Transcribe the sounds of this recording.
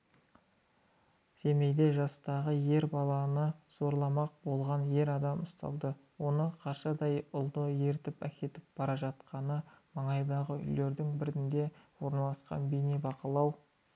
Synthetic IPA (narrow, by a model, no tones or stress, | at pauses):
se̞me̞jd̪e̞ʒɑst̪ɑʁəje̞ɾbɑlˠɑnəz̥o̞ɾlˠɑmɑq̚bo̞lˠʁɑnje̞ɾɑd̪ɑmʊst̪ɑ̰lˠd̪əwo̞nəqʰɑʃɑd̪ɑjʊlˠd̪əje̞ɾt̪ɪpækʲe̞t̪ɪp̚b̥ɑɾɑʒɑt̪̚qɑnəmɑɴɑjd̪ɑʁəʏ̰jle̞ɾd̪ɪŋbɪɾɪnd̪e̞wo̞ɾnɑlˠɑsqɑ̰nbejnebɑqəlˠɑw